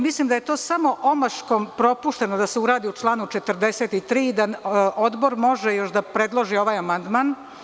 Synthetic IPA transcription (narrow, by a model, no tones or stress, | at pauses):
mislimd̪ajet̪o̞ːsamo̞ʔo̞maʃkompɾo̞puʃt̪e̞nod̪aseuɾaːd̪iut͡ʃlˠaːnut͡ʃet̪rd̪e̞set̪it̪ɾiːd̪aʔo̞d̪bo̞ɾmo̞ʒejo̞ʃd̪apɾe̞d̪lˠoʒio̞ʋaːjamand̪maːn